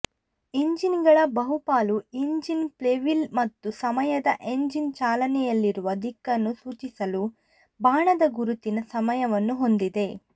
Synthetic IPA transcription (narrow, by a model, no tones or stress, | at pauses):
iɲd͡ʒinɡɐɭɐbɐɦupaːluiɲd͡ʒinpleʋilmɐt̪ːusɐmɐjɐd̪ɐʔe̞ɲd͡ʒint͡ʃaːlɐnɛjɐlːiɾuʋɐd̪ʱikːɐnːusuːt͡ʃisɐlu | bʱaːɳɐd̪ɐɡuɾut̪inɐsɐmɐjɐʋɐnːuɦo̞nd̪id̪e̞